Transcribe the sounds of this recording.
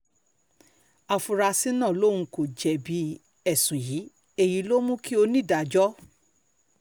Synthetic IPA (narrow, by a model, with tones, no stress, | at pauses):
a˧fu˧ɾa˧si˦nãː˦˨lõ˦˨ũ˧˦ko˨d͡ʒɛ˨bi˨˦ | ɛ˦˨sũ˨ji˨˦ | e˦˨ji˨˧˦lo˦mũ˦ki˦o˧nĩ˦˨da˨˧˨d͡ʒɔ˦